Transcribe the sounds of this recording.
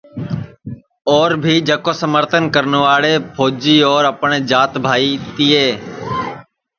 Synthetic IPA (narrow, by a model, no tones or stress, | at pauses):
ɔːɾbʱiːd͡ʒəkoːsəməɾt̪ʰənkəɾnʋaːɽeːpʰoːd͡ʒiːɔːɾəpəɳeːd͡ʒaːt̪bʱaːiːt̪ɪːeː